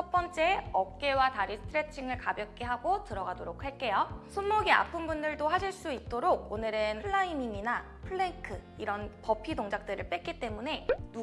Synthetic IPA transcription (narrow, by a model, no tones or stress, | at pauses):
t͡ɕʰʌp͈ʌnt͡ɕ͈e̞ʌk̚k͈e̞wataɾisʰɯ̥tʰɯɾe̞t͡ɕʰiŋɯɭkabjʌk͈e̞ɦaɡotɯɾʌɡadoɾok̚ʰhaɭk͈e̞josʰunːoɡia̰pʰɯmbundɯɭdohaɕʰiɭs͈uit̚t͈oɾoɡ̚onɯɾɯnʰɯɭːaimimina | pʰɯɭːeŋkʰɯ | iɾʌnpʌpʰidoŋd͡ʑak̚t͈ɯɾɯɭp͈e̞k͈it͈e̞mune̞nu